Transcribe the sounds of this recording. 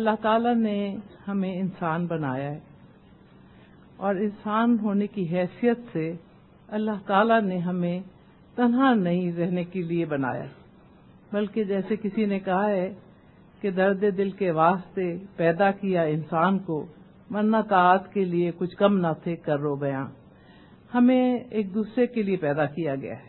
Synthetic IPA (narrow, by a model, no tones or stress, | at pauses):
ɐlːaɦt̪aːlanehɐmẽɪnsaːnbɐnaːjaɦɛː | ɔːɾɪnsaːnɦoːnekiɦɛːsijət̪se | ɐlːaɦt̪aːlaneɦɐmẽ | t̪ɐnɦãnɐɦĩɾɛɦnekeliebɐna̰ːja̰ | bɐlked͡ʒɛːsekɪsinekɐɦaɦɛː | ked̪ɐɾd̪ed̪ɪlkeʋaːst̪epɛːd̪akijaɪnsaːnko | mɐɾːat̪aːt̪keliekʊt͡ʃʰkɐmnat̪ʰekɐɾːobɐjã̰ː | hɐmẽeːk̚d̪uːsɾekeliepɛːd̪akijaɡɐ̰ja̰ːɦɛ